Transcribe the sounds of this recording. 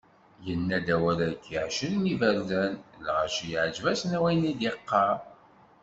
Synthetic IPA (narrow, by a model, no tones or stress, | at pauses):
jənːæd̪æwæɾækʰːiʕʃəlnivæɾlænlʁæʃjəʕd͡ʒvæsnæwæjnid̪iqːɑ